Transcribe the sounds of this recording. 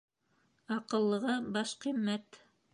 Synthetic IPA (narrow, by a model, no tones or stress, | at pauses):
ɑqɤ̆lˠːɤ̆ʁɤbɑʃqimːæt̪